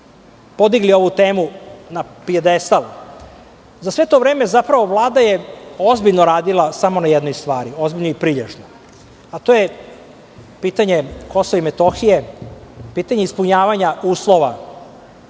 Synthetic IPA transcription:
po̞d̪iɡlio̞ʋut̪eːmunapied̪est̪alu | zasʋe̞t̪o̞vɾe̞ːmezapɾaʋo̞ʋlˠaːd̪ajeo̞zbiʎnoɾaːd̪ilˠasamonajɛd̪nojst̪ʋaːɾio̞zbiʎnoipɾiʎḛʒno | at̪oje | piːt̪aɲeko̞soʋimet̪o̞xije | piːt̪aɲe̞ispuɲaːʋaɲauːslˠoʋa

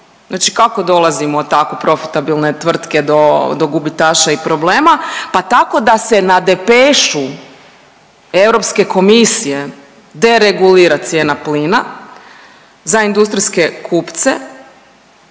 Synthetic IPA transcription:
znaːt͡ʃi̥kako̞d̪o̞lˠazimot̪akopɾo̞fi̥t̪abilˠne̞t̪ʋr̩t̪ke̞d̪od̪o̞ɡubit̪aːʃaipɾo̞ble̞ːmapat̪ako̞d̪ase̞nad̪e̞peʃu | e̞vɾo̞pske̞ko̞misije̞ | d̪e̞ɾeɡuliːɾat̪sje̞ːnapliːna | zaind̪ust̪ɾiske̞kʰupt̪sḛ

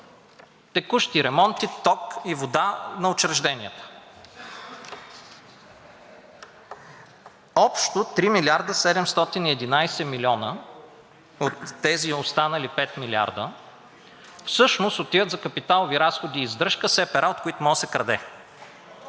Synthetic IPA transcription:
t̪ɛkuʃt̪iɾɛmɔnt̪it̪ɔkivod̪anɐot͡ʃɾɛʒd̪ɛnʲijət̪ə̥ | ɔpʃt̪ot̪ɾimilʲiaɾd̪əsɛd̪ɛmst̪ɔt̪iniɛd̪inajsɛmilʲɔnə | ot̪ːɛziost̪anəlipɛt̪milʲia̰ɾd̪ə | fsɤʃnost̪ot̪ivət̪zɐkɐpit̪alˠoviɾasxod̪iːzd̪ɾɤʃkəsɛpɛɾʔaot̪̚koit̪ʊmɔsɛkɾɐd̪ɛ

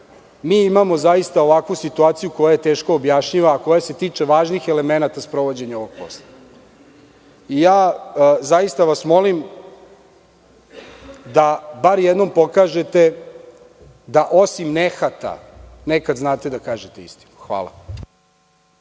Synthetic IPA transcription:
miimamo̞zajist̪aoʋakʋusit̪uaːt̪sijuko̞jajet̪e̞ːʃkoːbjaʃɲiʋaːko̞jaset̪iːt͡ʃeʋaːʒnixelemenat̪aspɾo̞ʋo̞d͡ʑeɲaoʋoɡ̥̚po̰st̪a | ijaːzajist̪aʋasmo̞lim | d̪abaɾjed̪nompo̞kaːʒet̪e̞ | d̪aʔo̞simnexat̪a̰nekad̪znaːt̪ed̪akaːʒet̪eist̪i̥nuxʋa̰ːlˠa̰

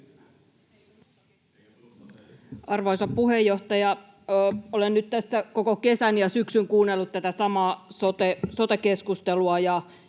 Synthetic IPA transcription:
ɑrʋojsɑppuɦe̞jːo̞ht̪ɑjɑ | olenːyt̪t̪æsːæko̞koke̞sænjɑsyksyŋkuːnːelːut̪t̪æt̪æsɑmɑːsot̪esot̪eke̞skust̪eluɑjɑ

